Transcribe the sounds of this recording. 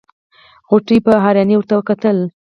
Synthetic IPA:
ɣʊʈipəɦɑɾjaniwʊɾt̪awəkat̪əl

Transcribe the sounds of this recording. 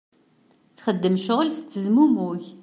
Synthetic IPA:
θχəd̪ːəmʃʊʁlθə̥t͡sːəzmumuç

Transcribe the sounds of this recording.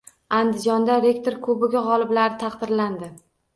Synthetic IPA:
and̪ɪd͡ʒɒnd̪aɾe̞kt̪oɾkʰɵbɪɡʲaʁɒlˠɪblaɾɪt̪ʰɑqd̪ɪɾland̪ɪ

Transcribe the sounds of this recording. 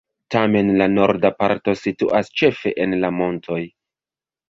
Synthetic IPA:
tame̞nlano̞ɾdapaɾto̞situʔast͡ʃe̞fe̞ʔenlamo̞ntʰo̞j

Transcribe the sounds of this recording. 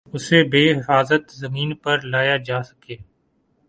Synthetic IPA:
ʊsebeːɦɪfaːzət̪zɐmĩːnpɐɾlaːjad͡ʒaːsɐ̥keː

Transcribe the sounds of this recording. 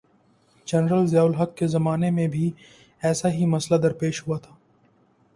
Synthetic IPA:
d͡ʒɐnɾəlzaːʊlɦɐkːezɐmaːnemẽbʱi | ɛːsaɦimɐslad̪ɐɾpeːʃhuat̪ʰḁː

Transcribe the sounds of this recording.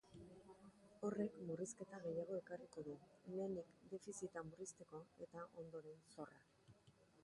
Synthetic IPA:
o̞re̞kmuriske̞t̪aɣe̞jaɣ̞o̞e̞kariko̞ðumenikd̪e̞fisit̪amurist̪e̞ko̞e̞̰t̪aʔo̞̰nd̪o̞ɾe̞nso̞ra

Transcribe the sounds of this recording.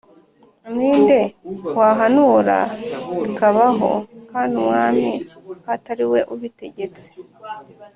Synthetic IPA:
niːnde̞waːɦanuɾa̰ikaβaɦo̞̰kaːndiumŋaːmihataɾiwe̞ʔuβite̞ɟe̞t͡se̥

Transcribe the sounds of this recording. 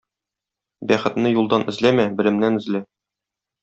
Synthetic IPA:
bæχɘ̆t̪nɘjulˠd̪ɑnʔɘ̆zlæmæbɘ̆lɾɘ̆mnænɘ̆zlɘ

